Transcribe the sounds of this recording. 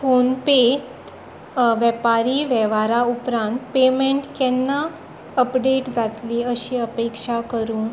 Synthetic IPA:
fonpet̪ | ʋɛpaɾiːʋɛʋaɾaupɾãnt̪pemẽɳʈkɛnːa | əpɖeʈd͡zat̪liəɕiːəpekʂakəɾuːn

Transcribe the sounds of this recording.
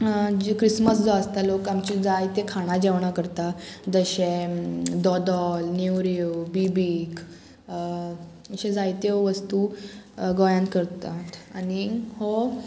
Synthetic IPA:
d͡ʑkɾisməsd͡zɔəst̪alokamt͡ɕid͡zajt̪ekʰaɽ̃ad͡ʑeʋɳakəɾt̪ad͡zəɕed̪ɔd̪ɔlnuwɾiubibiːk | ɕẽd͡zajt̪eʋəst̪u | ɡɔjãnkəɾt̪at̪aniho

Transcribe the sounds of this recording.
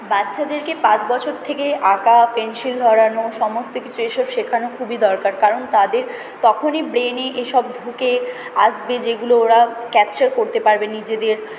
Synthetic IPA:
batːɕʰad̪eɾkepãt͡ɕbɔt͡ɕʰoɾt̪ʰekeʔakafenʃild̪ʱɔɾanoʃɔmost̪okit͡ɕʰueʃɔbʃekʰanokʰubid̪ɔɾkaɾkaɾont̪ad̪eɾ | t̪ɔkʰonibɾeneʔeʃɔbd̪ʱukea̰ʃbed͡ʑeɡulooɾakɛp̚t͡ɕaɾkoɾt̪epaɾbenːid͡ʑed̪eɾ

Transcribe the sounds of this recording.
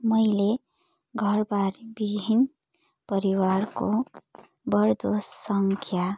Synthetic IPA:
mʌjle | ɡʱʌɾbaɾbibʱin | pʌɾiwaɾko | bʌɾd̪ossʌŋkʰja

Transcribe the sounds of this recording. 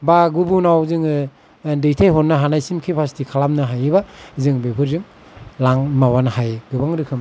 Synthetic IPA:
baɡubunawzɯŋɯ | dɯjtʰajɦɔtnːaɦanajsimkʰipʰastʰikʰalamnɯɦajɯbazɯŋbepʰɯɾzɯŋ | laŋmawanhajɡɯbaŋɾɯkʰɯm

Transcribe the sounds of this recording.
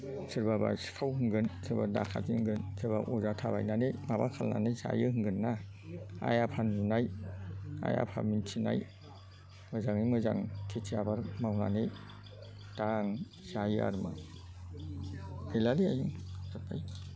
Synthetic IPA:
sʰɯɾbaba̰skʰawɦɯŋɡɯnsʰɯɾbada̰kʰa̰zihɯŋɡɯnsʰɯɾbaʔuzatʰaba̰jnanemabakʰalna̰nejza̰jɯɦɯŋɡɯnːa | a̰japʰanzunaj | a̰ja̰pʰamintʰina̰j | mɯzaŋijmɯza̰ŋkʰetʰiabaɾmawna̰ne | taŋ | z̥ajɯa̰ɾmɯ | ejlaliajɯŋsapʰaj

